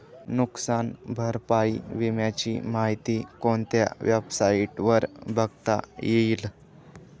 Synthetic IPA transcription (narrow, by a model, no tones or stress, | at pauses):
nuksanbʱəɾpaiʋimjat͡ɕimaɦit̪iːkoɳt̪ja̰ʋjəbsaiʈʋəɾbʱəɡt̪a̰jeiːl